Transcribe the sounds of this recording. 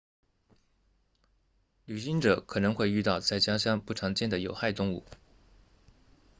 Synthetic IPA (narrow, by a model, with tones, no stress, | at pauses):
ly˨˩ɕi˧˥ŋʈ͡ʂɤ˨˩˦kʰɤ˨˩nɤ˧˥ŋxwe˥˧ɪy˥˧t̪ɑ˥˧ʊt͡sa˥˩ɪt͡ɕja˥ɕjɑ˥ŋpu˥˩ʈ͡ʂʰɑ˧˥ŋt͡ɕjɛ˥˩nd̪ə˩jo˨˩ʊxa˥˩ɪt̪ʊ˥˧ŋṵ˥˩